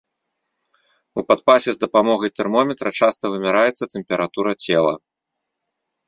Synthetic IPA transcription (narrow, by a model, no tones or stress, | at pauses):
upat̪̚pasʲɛzd̪ɐpamɔɣɐjt̪ɛrmɔmʲɛt̪ɾɐt͡ʂast̪ɐvɨmʲaɾajɛt̪sɐt̪ɛmʲpʲɛɾat̪uɾɐt͡sʲɛlˠɐ̰